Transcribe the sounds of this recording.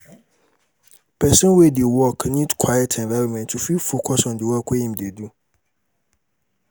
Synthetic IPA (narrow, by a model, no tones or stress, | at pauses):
pʰɛsɛ̃nwedewɔkʰnĩdkʰwajɛtʰɛ̃nvaɾomɛ̃ntʰːufifokʰɔsɔ̃ndɪwɔkʰwehĩmdedũ